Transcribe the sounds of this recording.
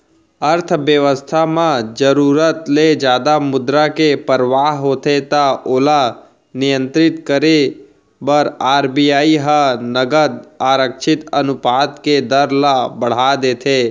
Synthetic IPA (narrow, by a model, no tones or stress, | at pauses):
əɾt̪ʰʋjəʋəst̪ʰamãd͡ʒəɾuːɾət̪led͡ʒjaːd̪amʊd̪ɾakepəɾʋaːɦɦoːt̪ʰet̪aoːla | nɪjə̃nt̪ɾɪt̪kəɾe | bəɾaːɾbijaːiɦənəɡəd̪aːɾəkʃʰɪt̪ənʊpaːt̪ked̪əɾlabəɽ̤ad̪eːt̪ʰeː